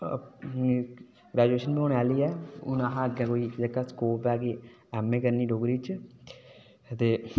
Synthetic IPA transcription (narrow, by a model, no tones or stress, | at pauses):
ɡɾɛːd͡ʒueːʃənbioːɽaːliːɛːʊnaɦãːəɡãːkoːiːd͡ʒəkaːskoːpɛːkeː | ɛːmːẽːkəɾniːɖoːɡɾiːt͡ʃ | t̪eː